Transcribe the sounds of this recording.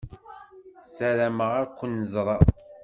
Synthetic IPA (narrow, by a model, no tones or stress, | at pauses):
sæɾæməʁaɾkʷːənːəzˤɾˤɑ